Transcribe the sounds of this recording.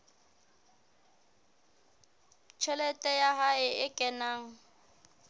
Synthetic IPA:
t͡ʃʰɛlɛtʼɛjaɦaɪɪkʼɛnaːŋ̩

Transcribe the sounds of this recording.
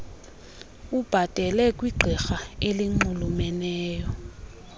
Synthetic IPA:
ub̥ʱad̥ʱɛlɛkʼwiɡ͡ǃʱɛxaeliŋ͡ǃulumɛnɛːjɔ

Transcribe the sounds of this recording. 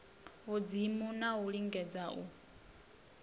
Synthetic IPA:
ud͡zimunauɺiŋɡɛd͡zau

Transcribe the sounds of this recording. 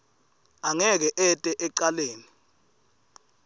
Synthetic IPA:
aŋɛk̬ɛʔɛtʼɛʔɛǀaleːni

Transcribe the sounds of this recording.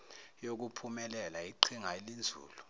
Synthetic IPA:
jok̬upʰumɛlɛlaiǃʰiŋaelind͡zʱṵːlu

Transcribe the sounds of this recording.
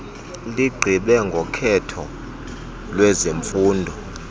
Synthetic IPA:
liɡ͡ǃʱiɓɛŋɡʱɔkʰɛtʰɔ | lwɛzeɱfuːndʱɔ

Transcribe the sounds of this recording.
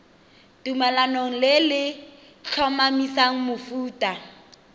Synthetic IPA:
tumalanoŋ̩lɪlɪ | t͡ɬʰɔmamisaŋ̩mʊfuːtʼa

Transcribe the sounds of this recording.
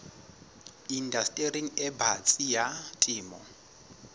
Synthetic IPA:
indastʼeriŋɛbat͡sʼijatʼiːmɔ

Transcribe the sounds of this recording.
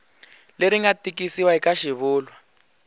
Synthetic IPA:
leɾiŋɡatikisiwaikaʃiβuːlwa

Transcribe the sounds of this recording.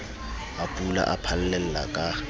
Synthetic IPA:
apʼula̰ʔapʰal̩lɛl̩la̰kʼa

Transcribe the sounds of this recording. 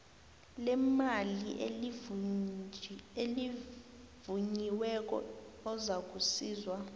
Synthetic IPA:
lɛmaliʔ | e | vuɲiwɛk̬ʼɔ̰ɔzak̬usiːzwa

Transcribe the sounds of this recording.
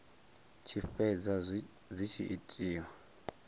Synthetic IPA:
t͡ʃʰifɛd͡za | zit͡ʃʰḭʔitʼiːwa

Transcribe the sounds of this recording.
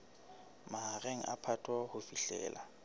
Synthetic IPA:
maɦareŋ̩ʔa̰pʰatʰʼwahʊfiɬɛ̰ːla

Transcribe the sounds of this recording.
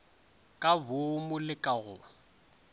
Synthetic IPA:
kʼabʊmʊlɪkʼaɣʊ

